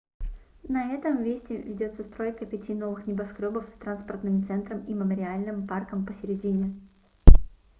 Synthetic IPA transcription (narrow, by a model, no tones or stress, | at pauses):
nɐɛt̪əmvʲesʲtʲɪvʲɪdʲo̞t̪səst̪ɾo̞jkəpʲɪtʲino̞vɨxnʲɪbɐskɾʲobəfst̪ɾanspərt̪nɨmt̪sɛnt̪ɾəmiməməɾʲɪalʲnɨmparkəmpəsʲɪɾʲɪdʲinʲɪ